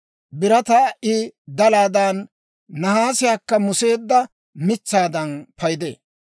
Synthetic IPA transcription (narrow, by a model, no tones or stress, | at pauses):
bɪɾɐt̪ɐʔɪd̪ɐlaːd̪ɐnː | ɐhaːsɪjaːkːɐmʊse̞ːd̪ːɐ | mɪt͡sːaːd̪ɐnpɐjd̪ḛː